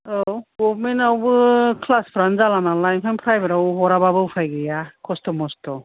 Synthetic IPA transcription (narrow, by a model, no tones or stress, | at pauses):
ɔwɡɔbmenawbɯkʰlaspʰɾanzalanalajmkʰanpʰɾajbɯɾawɦɔɾababɯwpʰajɡɯjakʰɔstɔmɔstɔ